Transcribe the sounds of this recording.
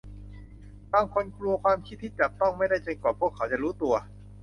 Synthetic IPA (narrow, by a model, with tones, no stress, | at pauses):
baː˧ŋkʰo˧nklu˧ɐkʰwaː˧mkʰt̪ʰːiː˥˩t͡ɕa˨˩k̚t̪ɔ˥˩ŋma˥˩jda˥˩jt͡ɕe˧nkwaː˨˩pʰu˥˩əkʰːa˦wt͡ɕa˨˩ɾuː˦˥t̪u˧ɐ